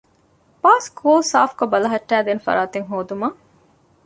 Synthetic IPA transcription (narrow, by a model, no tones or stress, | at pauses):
paːskoːlsaːfkobɐlɐɦɐʈːæːd̪eːnfɐ̰ɾaːt̪eŋɦoːd̪umɐ